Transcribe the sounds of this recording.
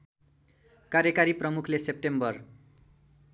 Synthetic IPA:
kaɾjʌkaɾiprʌmukʰlesep̚ʈembʌr

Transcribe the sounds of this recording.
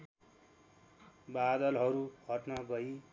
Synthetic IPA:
bad̪ʌlɦʌɾuhʌʈnʌɡʌi

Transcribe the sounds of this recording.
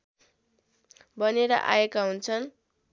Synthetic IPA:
bʌneɾʌ̰ʔa̰jekaɦunt͡sʰʌn

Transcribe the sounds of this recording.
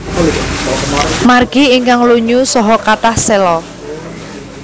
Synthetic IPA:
marɡ̥iiŋkaŋluɲusɔɦɔkaʈahselɔ

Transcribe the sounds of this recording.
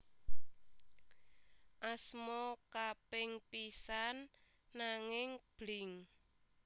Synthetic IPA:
ʔasmɔkapɪŋpisanː | aŋɪŋb̥lɪŋ

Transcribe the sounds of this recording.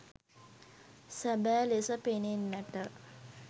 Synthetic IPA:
sabæːlesəpenenːæʈə

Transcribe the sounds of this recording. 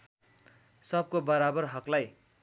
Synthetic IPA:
sʌb̚kobʌɾabʌrɦʌklaj

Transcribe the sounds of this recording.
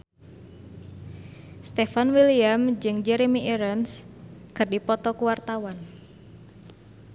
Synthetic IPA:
st̪ɛfanwiliamd͡ʒɨŋd͡ʒɛɾemiʔɛɾənskɨrdipɔt̪ɔkuwart̪awan

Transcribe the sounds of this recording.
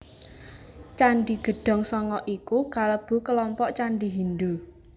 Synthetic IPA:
t͡ʃanɖiɡ̥ə̤ɖ̥ɔ̤ŋsɔŋɔʔikukaləb̥ṳkəlɔmpɔʔt͡ʃanɖiɦind̪u

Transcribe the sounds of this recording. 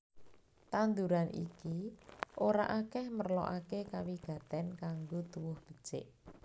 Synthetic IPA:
t̪and̪uɾanʔḭkiʔoɾaʔakɛhmərlɔ̰ʔakekawiɡ̥a̤t̪ɛnkaŋɡot̪uwʊhb̥ə̤̥t͡ʃɪ̰ʔ

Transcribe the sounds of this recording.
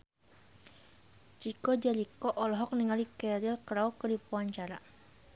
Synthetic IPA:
t͡ʃikɔd͡ʒaɾikɔʔɔlɔɦɔk̚niŋalikɛɾilkɾaukərdipuaɲt͡ʃaɾa

